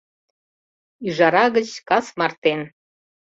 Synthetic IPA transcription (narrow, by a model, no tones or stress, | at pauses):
yʒɑɾɑɣət͡ɕkɑsmɑrt̪en